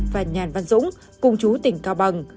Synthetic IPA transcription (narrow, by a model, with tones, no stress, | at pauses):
vaː˨˩ɲaː˨˩nva˧nzʊ̰˧˥ŋ͡m | kʊ˧ŋ͡mt͡ɕu˨˦t̪ï˨˩ŋ̟kaː˧wɓə˨˩ŋ